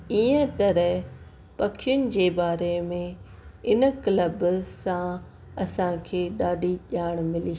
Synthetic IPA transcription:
iːə̃t̪ɐɾəɦ | pɐkʰijʊnɪ̆d͡ʑeːbaːɾemẽ | ɪnkləbsã | ɐsãkʰeːɗaːɖʱiʄaːɪɽ̃mɪliː

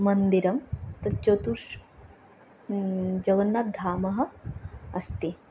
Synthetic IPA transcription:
mɐnd̪iɾɐmt̪ɐt͡ʃoːt̪uʃ | d͡ʒɐɡɐnːɐd̪ʱaːmɐɦɐ̆ɐst̪i

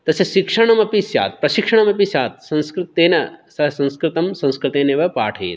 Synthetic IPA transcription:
t̪ɐsjɐʃikʂɐɳ̃ɐmɐpisja̰ːt̪̚pɾɐʃikʂɐɳɐmɐpisjaːt̪̚sɐ̃nskɾɪt̪ːeːnɐsɐɦsɐ̃nskɾɪt̪ɐmsɐ̃nskɾɪt̪eːneːʋɐpaːʈʰḛːt̪

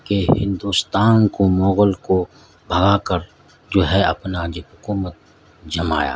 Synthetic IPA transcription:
keɦɪ̃nd̪uːst̪aːnkomɔːɣəlko | bʱɐɡakəɾ | d͡ʒoːɦɛɐ̰pnad͡ʒeɦʊkuːmət̪̚ | d͡ʒɐma̰ːja̰ː

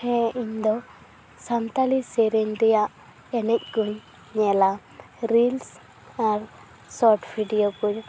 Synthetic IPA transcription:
hɛiɲd̪ɔ | samt̪alisɛɾɛɲɾɛjaʔ | ɛnɛc̚ˀkuɲ | ɲɛla | ɾils | aɾ | sɔʈbʰʱiɖijoɡuɲ

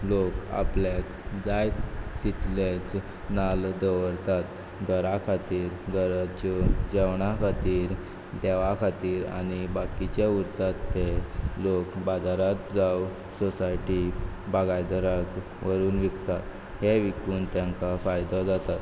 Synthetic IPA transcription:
loka̰plek | d͡zajt̪it̪let͡s | nald̪əʋəɾt̪at̪ | ɡʱəɾakʰat̪iːɾɡʱəɾat͡ɕɔd͡ʑəʋɳakʰat̪iːɾ | d̪eʋakʰat̪iːɾa̰ñibakit͡ɕeuɾt̪at̪ːelokbad͡zaɾat̪d͡zaw | sɔsajʈikbaɡajd̪əɾak | ʋəɾuːnʋikt̪at̪ | heʋikuːnt̪jãŋkafajd̪ɔd͡zat̪at̪

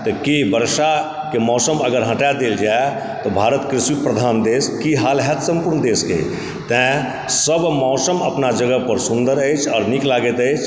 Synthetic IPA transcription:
t̪ɔkibəɾʃa | kemɔːsəməɡəɾɦə̃ʈad̪eld͡ʒae | t̪ɔbʱaːɾət̪kɾɪsipɾəd̪ʱaːnd̪eːskiɦaːlɦɛt̪sə̃mpuɾnəd̪eːskḛ | t̪ɛ̃ | səbmɔːsəməpnad͡ʒəɡəpəɾsũnd̪əɾəɪt͡ʃʰɔːɾniklaːɡət̪əjt͡ʃʰ

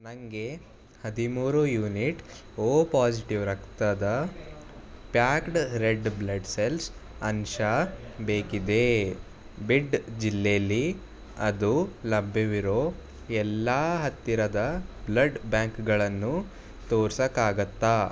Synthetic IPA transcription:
nɐŋɡe̞ | hɐd̪imuːɾujuːniʈ | oːpaːsiʈiʋɾɐkt̪ɐd̪ɐ | pjaːkʈɾeɖblɐɖselsɐnʃɐbeːkid̪e̞ | biɖd͡ʒilːejɐlːi | ɐd̪ulɐbʱjɐʋiɾo̞ː | ɛlːɐːɦɐt̪ːiɾɐd̪ɐblɐɖbaːŋkɡɐɭɐnːu | t̪oːɾsɐkaːɡɐt̪ːa

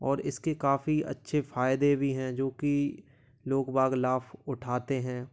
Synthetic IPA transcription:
ɔːɾɪskekaːfiɐ̰tːʃʰefaːɪd̪ebʱiɦɛ̃ːd͡ʒoːki | loːkbaːɡlaːfʰʊʈʰaːt̪eɦɛ̃ː

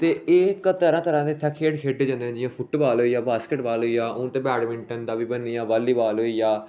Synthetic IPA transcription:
t̪eːeːkət̪əɾãːt̪əɾãːd̪eːt̪ʰɛkʰeːɽkʰeːɖeːd͡ʒãːnd̪eɦɛ̃ːd͡ʒɪjãːpʰʊʈbaːlɦoːiːjaːbaːskɪʈbaːlɦoːijaːʔʊ̃ːt̪ẽːbɛːɽmɪ̃ɳʈənd̪aːʋiːbənːiːjaːbaːliːbaːlɦoːiːjaː

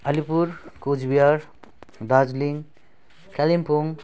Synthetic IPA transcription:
ɐlipuɾkod͡ʒbijaɾ | dad͡ʒliŋ | kalimpʰuŋ

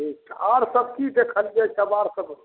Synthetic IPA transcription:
ikt̪aɾsəb̚kit̪ekʰəld͡ʒat͡ʃəbaɾsəb

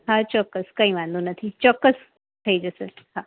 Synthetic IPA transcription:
ɦãt͡ɕɔkːəskaĩːʋãnd̪unət̪ʰit͡ɕɔkːəs | t̪ʰəiːd͡zəsəhã

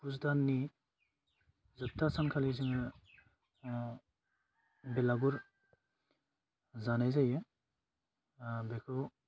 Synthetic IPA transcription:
pusdanːi | zɯp̚tːasankʰaliziŋɯ | belaɡuɾ | zanajzaje | bekʰɯ

